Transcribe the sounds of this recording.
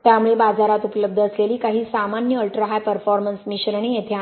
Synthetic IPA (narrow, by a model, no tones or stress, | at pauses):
t̪jamuɭebad͡zaɾat̪upləb̚d̪ʱəəsleliːkaɦiːsamanjəəlʈɾəɦajpəɾfɔɾmənsmiɕənaɳ̃iet̪ʰea